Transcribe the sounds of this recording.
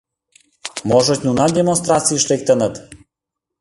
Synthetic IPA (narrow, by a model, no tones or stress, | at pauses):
mɔʒot̪ʲnunad̪ʲemonst̪ɾat̪t͡sijiʃlek̚ʲt̪ənət̪